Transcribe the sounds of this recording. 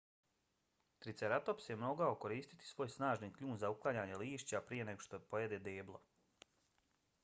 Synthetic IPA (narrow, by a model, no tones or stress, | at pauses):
t̪ɾit̪seɾat̪opsje̞mo̞ɡao̞ko̞ɾiːst̪i̥t̪i̥sʋo̞ːjsnaːʒnikʎuːnzauklˠaɲaːɲeliːʃt͡ɕapɾije̞ne̞ɡoʃt̪opo̞jed̪ed̪eːblˠo̰